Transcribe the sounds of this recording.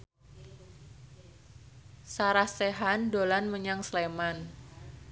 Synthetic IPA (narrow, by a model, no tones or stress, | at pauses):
saɾahseɦandolanməɲaŋsleman